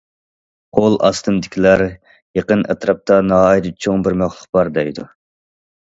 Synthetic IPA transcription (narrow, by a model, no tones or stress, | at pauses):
qʰolˠɑ̰st̪ɨmd̪ɪkʲʰilæɾ | jeqənʔɛt̪ɾɑp̚t̪ɑnɑɦɑjid̪ɨt͡ʃʰoŋbɪɾmæχlˠəq̚b̥ɑɾd̪ɛjd̪u